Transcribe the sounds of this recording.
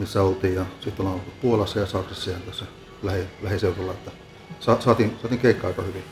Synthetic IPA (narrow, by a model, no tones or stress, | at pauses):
misːæolt̪iːjjɑsit̪ːolɑnoupuolɑsːɑjɑsɑksesːɑjɑnt̪æsːæ | læhilæhiseurɑlːɑet̪ːæ | sɑsɑːˑt̪iːnsɑt̪iːŋkeikːɑɑikɑhyʋi